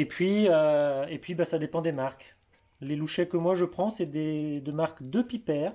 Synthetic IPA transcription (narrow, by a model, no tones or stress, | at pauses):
epɥiøepɥibasad̪epɑ̃d̪emaʁk | leluʃɛkəmwaʒəpχɑ̃sɛd̪ed̪əmaʁkd̪əpipɛːʁ